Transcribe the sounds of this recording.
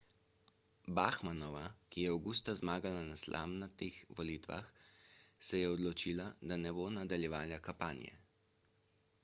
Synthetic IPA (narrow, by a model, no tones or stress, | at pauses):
baxmanɔʋakijɛawɡust̪azmaːɡalanaslʔa̰mnat̪ixʋɔliːt̪ʋa̰x | sɛjɛɔd̪lɔt͡ʃiːlad̪anɛbonad̪aljɛʋaːljakampaːnj̰ɛ̰